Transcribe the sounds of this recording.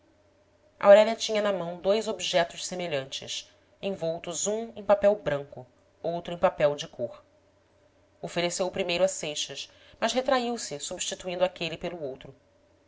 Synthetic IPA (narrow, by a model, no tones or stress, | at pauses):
ɐ̰oɾɛlʲiɐt͡ʃĩɲɐnɐmɐ̃w̃d̪ojzobiʒɛt̪ʊʃsemeʎɐ̃nt͡ʃɪ̰s | ẽj̃vowt̪ʊzũẽj̃papɛwbɾɐ̃ŋkʊ | owt̪ɾʊẽj̃papɛwd͡ʒɪkʰoχ | ofeɾesewʊpɾimejɾʊɐsejʃɐʃ | mɐzɦet̪ɾaiwsɪsubiʃt͡ʃit̪uĩnd̪ʊakelipelʊowt̪ɾʊ